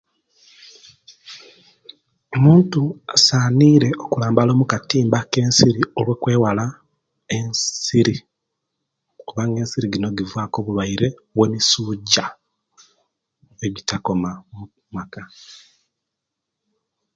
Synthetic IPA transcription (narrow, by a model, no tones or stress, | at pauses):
omuːntuasaːniːɾe̞ʔokulaːmbalo̞ːmukatiːmbake̞ːnsiɾiolwe̞kwe̞ːwala | ensiɾi | okuβaːŋɡe̞ːnsiɾiɡino̞ɡivwaːko̞βuβaiɾe̞we̞misuːɟa | eβitako̞mamu | maka